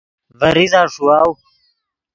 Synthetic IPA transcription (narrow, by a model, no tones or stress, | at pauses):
vɐɾizaːʂuaːw